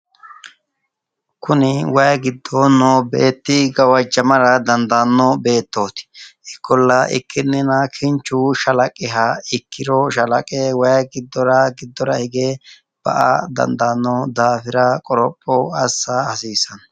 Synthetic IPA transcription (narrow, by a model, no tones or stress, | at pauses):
kʰʊnɪwɐjɐɡɪd̪ːɔnɔbḛːt̪ːɪɡɐwɐd͡ʒɐmɐɾɐd̪ɐnd̪anːɔbe̞ːt̪ːoːt̪ɪ̥ɪkːɔlːɐʔɪ̰kʰːɪnːɪnɐkʰɪnt͡ʃːʊʃɐlɐkʼːɪɦɐɪkʰːɪɾɔʃɐlɐkʼɛwɐjɐɡɪd̪ːɔɾɐɡɪd̪ːɔɾɐ̰hɪɡe | b̥ɐ̰ʔa̰d̪ɐ̰nd̪anːɔd̪aːfɪɾɐkʼɔɾɔpʼːɔɐsːɐɐsiːsɐn